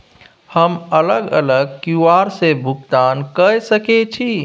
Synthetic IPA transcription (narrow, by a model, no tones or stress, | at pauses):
həmələɡə̰ləɡ̚kjuaːɾsebʱʊɡ̚t̪aːnkəsəket͡ʃʰi